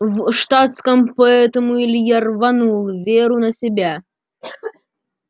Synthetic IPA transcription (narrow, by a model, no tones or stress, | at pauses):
vʂt̪at̪skəmpɐɛt̪əmuilʲjarvɐnulˠvʲeɾʊnəsʲɪbʲa